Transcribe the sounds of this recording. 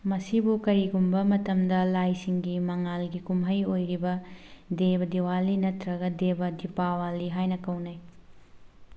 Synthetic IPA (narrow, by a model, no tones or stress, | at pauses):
mɐsibukɐɾiɡumbɐmɐtɐmdɐlajsiŋɡimɐŋalɡikumɦɐjojɾibɐdebɐdiwalːinɐtɾɐɡɐdebɐdipawalːiɦajnɐkɐwnaj